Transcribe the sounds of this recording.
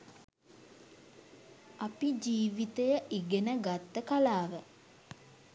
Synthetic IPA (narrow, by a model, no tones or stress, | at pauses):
apid͡ʒiːʋit̪ejəʔiɡenəɡat̪ːəkalaːʋə